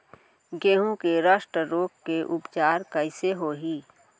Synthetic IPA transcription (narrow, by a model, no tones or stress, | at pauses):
ɡeːɦũkeɾaːʃʈɾəɾoːkkeʔʊpt͡ʃaːɾkəɪseɦoːɦiː